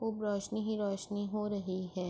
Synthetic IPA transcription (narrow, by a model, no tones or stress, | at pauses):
ʊbɾɔːʃniɦiɾɔːʃniɦoɾɐɦiɦɛː